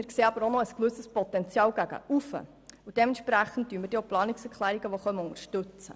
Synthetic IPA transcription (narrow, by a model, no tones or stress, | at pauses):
ɪɾkseːɑbəɾonoəskʋɵsəspɔtɛnt͡sjɑːwɡæɡə̰ʔufə̰ | ud̥ɛmɛnʃpɾæχən̩t̚tːyːənməd̥eoplɑːniksɛɾkʰlæːɾiɡəʋoχœməʊŋəɾʃtɵt͡sə̰